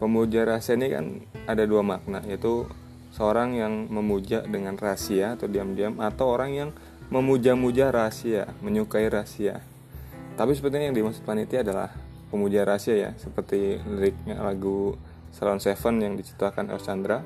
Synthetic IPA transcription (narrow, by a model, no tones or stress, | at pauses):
pəmud͡ʒaɾasianika̰nadaduamak̚na̰jait̪u | səoɾaŋjaŋməmud͡ʒaʔdəŋanrasiat̪udiamd͡ʒiamat̪awoɾaŋjaŋ | məmud͡ʒamud͡ʒaɾasia̰məɲukaiɾasia | t̪apis̬əpərt̪iɲajaŋdimasut̪̚kanit̪iadala̰h | pəmud͡ʒaaɾasiaja̰səpərt̪iɾɪk̚ɲa̰laɡu | salɔnsefənjaŋdit͡ʃi̥t̪akanɛ̰lsand̪ɾa